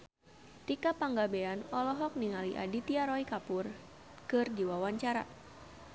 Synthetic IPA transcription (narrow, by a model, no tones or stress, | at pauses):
t̪ikapaŋɡabeanɔlɔɦɔk̚niŋaliʔa̰dit̪iaɾɔikapʊr | kɨrdiwawaɲt͡ʃaɾa̰